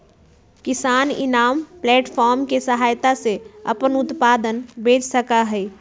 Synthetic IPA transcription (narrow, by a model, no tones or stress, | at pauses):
kisaːnḭnaːmplɛːʈpʰɔɾmkesəɦaːjt̪aseə̰pənut̪pad̪ənbed͡ʒsəkaɦəj